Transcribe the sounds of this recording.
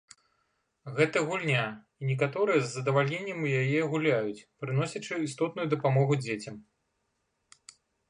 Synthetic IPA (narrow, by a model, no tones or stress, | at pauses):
ɣɛt̪ɐɣulʲnʲa | inʲɛk̬at̪ɔɾɨjɛzːɐd̪ɐvalʲnʲenʲːɐmjajɛɣulʲajut͡sʲpɾɨnɔsʲɐt͡ʂɨist̪ɔt̪nujud̪ɐpamɔɣud͡zʲet͡sʲɐm